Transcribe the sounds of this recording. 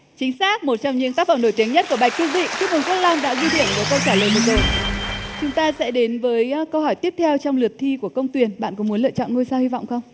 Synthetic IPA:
t͡ɕï˨˦ŋ̟saː˦˥k̚mo˨˩t̚t͡ɕɔ˧wŋ͡mɲɨ̰˧˥ŋt̪aː˦˥k̚fə˧˩mno˧˩jt̪i˨˦əŋɲə˦˥t̚ku˧˩əɓa˨˩jk̚ki˧wzḭ˧˨t͡ɕu˦˥k̚mɨ˨˩n̚kə˦˥t̚lɔ˧nɗa̰ː˧˥zwi˧ɗḭ˧˩ənku˨˩˦kə˧wt͡ɕaː˧˩ləː˨jmo˨˩t̚zo˧˨˩jt͡ɕʊ˨˦ŋ͡mt̪aː˧sɛ̰˧˥ɗe˨˦nvəː˨˦jkə˧whɔ˧˩jt̪i˦˥əp̚t̪ʰɛ˧wt͡ɕɔ˧wŋ͡mlɨ˨˩ət̚t̪ʰi˧ku˧˩əkə˧wŋ͡mt̪wi˨˩ənɓa̰ː˧˨nkʊ̰˧˥ŋ͡mmu˨˦ə˦lɨ̰˧˨t͡ɕɔ̰˧˨nŋo˧jsaː˧whi˧vɔ̰˧˨wŋ͡mxə˧wŋ͡m

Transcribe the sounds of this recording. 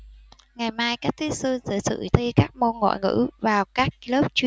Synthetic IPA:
ŋa˨˩jmaː˧jkaː˦˥k̚t̪ʰi˦˥sɨ˧nzɨ̰˧˩sɨ̰˧˩t̪ʰə˧kaː˦˥k̚mo˧nŋɔ̰˧˨jŋɨ̰˧˥vaː˨˩wkaː˦˥k̚lo˦˥p̚t͡ɕwi˧

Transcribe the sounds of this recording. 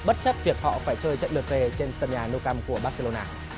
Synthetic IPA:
ɓə˦˥t̚t͡ɕə˦˥p̚vi˨˩ək̚hɔ̰˧˨faː˧˩jt͡ɕəː˧jt͡ɕə̰˧˨nlɨ˨˩ək̚ve˨˩t͡ɕe˧nsəː˧˩ɲaː˨˩no˧wka˧mku˧˩əɓa˦˥t̚se˧lo˧naː˧

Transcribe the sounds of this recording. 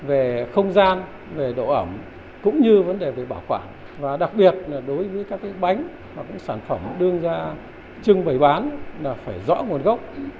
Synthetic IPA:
ve˨˩xə˧wŋ͡mzaː˧n | ve˨˩ɗo̰˧˨ʔə˧˩m | kʊ̰˧˥ŋ͡mɲɨ˧və˨˦nɗe˨˩ve˨˩ɓaː˧˩wxwaː˧˩n | vaː˨˩ɗa˨˩k̚ɓi˨˩ət̚laː˨˩ɗo˨˦jvəː˨˦jkaː˦˥kːa˨˦ɓa˨˦jŋ̟ | haː˨˩kʊ̰˧˥ŋ͡msaː˧˩nfə˧˩mɗɨ˧əŋzaː˧ | t͡ɕɨ˧ŋɓə˨˩jɓaː˨˦nlaː˨˩faː˧˩jzɔ̰˧˥ŋu˨˩ənɣə˦˥wk͡p̚

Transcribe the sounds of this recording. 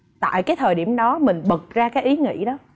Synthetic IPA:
t̪a̰ː˧˨jkaː˨˦jt̪ʰəː˨˩jɗi˧˩əmɗɔ˨˦mï˨˩ŋ̟ɓə˨˩t̚zaː˧kaː˨˦jʔi˨˦ŋḭ˧˥ɗɔ˨˦

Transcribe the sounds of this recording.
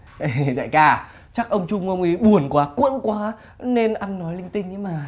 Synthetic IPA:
ʔe˨˩ɗa̰ː˧˨jkaː˧˩ | t͡ɕa˦˥k̚ʔə˧wŋ͡mt͡ɕʊ˧ŋ͡mə˧wŋ͡mi˨˦ɓu˨˩ənkwaː˨˦kwḭ˧˥ənkwaː˨˦ | ne˧nʔa˧nnɔ˨˦jlï˧ŋ̟t̪ï˧ŋ̟ʔi˨˦maː˨˩

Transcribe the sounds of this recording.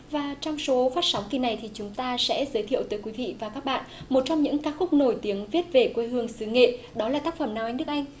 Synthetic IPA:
vaː˨˩t͡ɕɔ˧wŋ͡mso˨˦faː˦˥t̚sa˨˦wŋ͡mki˨˩na˨˩jt̪ʰi˨˩t͡ɕʊ˨˦ŋ͡mt̪aː˧sɛ̰˧˥zəː˨˦jt̪ʰḭ˧˨əwt̪əː˨˦jkwi˨˦vḭ˧˨vaː˨˩kaː˦˥k̚ɓa̰ː˧˨nmo˨˩t̚t͡ɕɔ˧wŋ͡mɲɨ̰˧˥ŋkaː˦˥k̚xʊ˦˥k͡p̚no˧˩jt̪i˨˦əŋvi˦˥ət̚ve˨˩kwe˧hɨ˧˩əŋsɨ˨˦ŋḛ˧˨ | ɗɔ˨˦laː˨˩t̪aː˦˥k̚fə˨˩mnaː˨˩wa˧jŋ̟ɗɨ˦˥ək̚a˧jŋ̟

